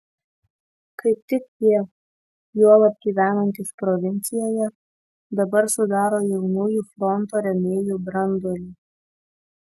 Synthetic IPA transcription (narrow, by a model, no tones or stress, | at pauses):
kɐɪp̚t̪ʲɪkjʲiɛ | juɔlˠɐb̚ʲɡʲiːʋʲæːnɐnʲt̪ʲɪspɾɔʋʲɪnʲt̪sʲɪjoːjɛ | d̪ɐbɐɾsʊd̪ɑːɾoːjɛʊnuːjuːfɾɔnt̪oːɾʲɛmʲeːjuːbɾɐnd̪oːlʲi